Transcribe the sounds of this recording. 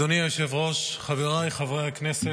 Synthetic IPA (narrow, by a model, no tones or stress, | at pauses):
oniaʃevʁo̞ʃχaveʁajχavʁejhaknese